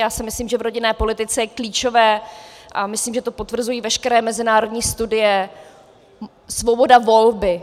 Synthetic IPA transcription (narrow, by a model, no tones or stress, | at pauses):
jaːsɪmɪsliːmʒɛvɾoɟɪnɛːpo̞lɪt̪ɪt͡sɛjɛkliːt͡ʃo̞vɛːʔamɪsliːmʒɛt̪o̞pot̪vr̩zujiːvɛʃkɛɾɛːmɛzɪnaːɾo̞dɲiːst̪udɪjɛ | svo̞bo̞davo̞lbɪ